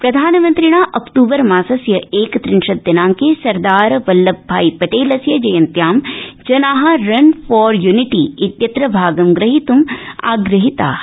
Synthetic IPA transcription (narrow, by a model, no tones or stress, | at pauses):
pɾɐd̪ʱaːnmɐnt̪ɾiɽ̃aːʔɐkʈuːbɐɾmãːsɐsjɐeːkt̪ɾɪnʃɐd̪ːɐnaːŋkesɐɾd̪aːɾʋɐlːɐbʱːaːipɐʈeːlɐsjɐd͡ʒɐjɐnt̪jaːmd͡ʒɐnaːɦɐɾɐnfʰɔːɾjuniʈiɪt̪jɐt̪ɾɐbʱaːɡɐmɡɾɐɦit̪uma̰ːɡɾɨɦit̪a̰ː